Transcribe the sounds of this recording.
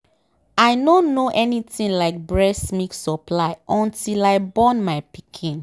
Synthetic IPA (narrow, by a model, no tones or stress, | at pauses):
aɪnõnːoʔɛnitĩnlaɪk̚bɹɛsmiksɔpʰlaɪʔɔ̃ntʰilaɪbɔ̃nmaɪpikʰĩn